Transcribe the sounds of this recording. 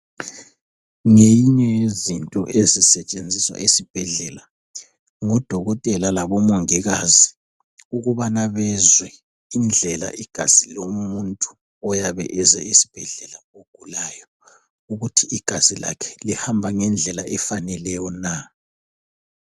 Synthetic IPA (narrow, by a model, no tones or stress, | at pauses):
ŋejiɲɛzintʼɔ̰ʔezisɛt͡ʃʼend͡zʱiswa̰ʔesib̥ʱɛɮɛla | ŋɔd̥ʱɔɣɔtʼɛlalaβɔmoŋiɣazi | uɣuβanaβɛzwɛ | ind͡ɮʱɛla̰ʔiɡ̥ʱaz̥ilommuntʼu̥ | ɔjaβɛ̰ʔɛzɛ̰isi̥b̥ʱɛɮɛlaoɡ̥ʱulajɔ | uɣutʰiiɡ̥ʱazila̰kʰɛ̥lihambʱaŋɛnd͡ɮʱɛlaʔɛfanɛlɛjɔna